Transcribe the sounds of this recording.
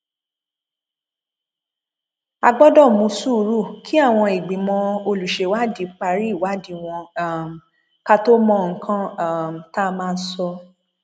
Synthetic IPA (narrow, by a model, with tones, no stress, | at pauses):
a˧ɡ͡bɔ˦dɔ˦˨mũ˧˦su˦ɾu˦˨kʰi˦a˦˨w̃ɔ̃˧i˨ɡ͡bĩ˨mɔ̃˧o˧lu˨ʃe˧wa˦di˨˦k͡pa˧ɾi˦˨wa˨˦di˧w̃ɔ̃˧˨m˨ | ka˦to˦mɔ̃˦˨ŋ̩˦kʰã˦˨m̩˨ta˦mãː˦˧n˦sɔ˧